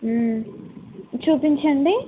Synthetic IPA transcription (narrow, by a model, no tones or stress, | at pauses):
t͡ʃuːpiɲt͡ʃɐɳɖi